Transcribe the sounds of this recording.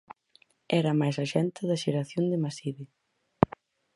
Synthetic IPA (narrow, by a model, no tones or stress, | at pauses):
ɛɾɐmajsaʃɛnt̪ɪðɐʃeɾaθjond̪ɪmasiβi